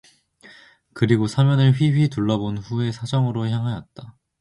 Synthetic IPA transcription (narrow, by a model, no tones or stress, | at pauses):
kɯɾiɡosʰamjʌnɯɭɸɥiɥituɭːʌbonɸue̞sʰad͡ʑʌŋɯɾoçjaŋɦajʌt̚t͈a